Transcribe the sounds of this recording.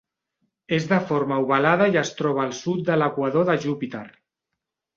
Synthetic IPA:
ezðəfoɾmauβalað̞ajəst̪ɾɔβ̞aːlˠsut̪̚d̪ələkwaðoðəʒupit̪eɾ

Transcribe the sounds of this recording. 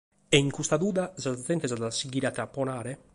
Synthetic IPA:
ɛiŋkust̪ad̪uːd̪azaat̪ɛnt̪ɛzad̪asiɡiɾat̪ɾapːonaːɾe

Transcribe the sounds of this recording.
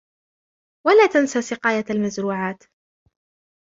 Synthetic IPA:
walaːt̪ansaːsɪqɑːjaalmazɾuːʕaːt̪

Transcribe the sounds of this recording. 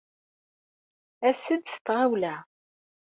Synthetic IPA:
æsəd̪st̪ʁawlæ

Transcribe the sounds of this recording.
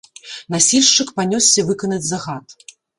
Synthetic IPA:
nasʲilʲʂt͡ʂɨkpanʲɔsʲːɐvɨkɐnɐd͡zʲzɐɣat̪

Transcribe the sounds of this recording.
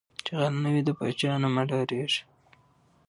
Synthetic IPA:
t͡ʃeɣalnawid̪əpɑ̰t͡ʃɑːnomaɖɑɾeʒ̥

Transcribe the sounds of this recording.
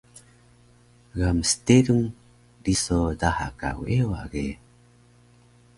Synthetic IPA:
ɡamsteɾuŋ | disodaha̰ka̰weoa̰ʔɡe

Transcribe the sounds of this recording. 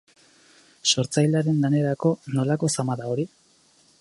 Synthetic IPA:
so̞ɾt͡sajlaɾe̞ŋɡane̞ɾako̞no̞lako̞samaðao̞ɾi

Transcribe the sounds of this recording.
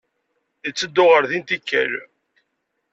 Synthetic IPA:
ət͡sːəd̪ːʊʁəɾðint̪ikːæ̰l

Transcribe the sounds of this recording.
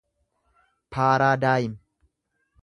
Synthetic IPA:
pʰaːɾaːd̪aːjɪm

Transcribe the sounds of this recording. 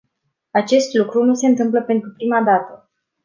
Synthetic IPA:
at͡ʃe̞st̪lukɾunuse̞ɨnt̪ɨmpləpe̞nt̪ɾupɾimad̪at̪ə

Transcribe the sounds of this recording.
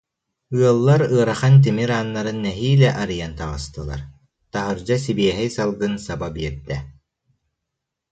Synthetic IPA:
ɯɐlˠːaɾɯɐɾaχant̪̬imiɾaːnːaɾɯnːɛɦiːlɛʔaɾɯjant̪aʁɯ̰st̪ɯlˠa̰ɾ | t̪aɦɯɾd͡ʑas̬ibiɛɦɛjsalˠɡɯnsababiɛɾd̪ɛ

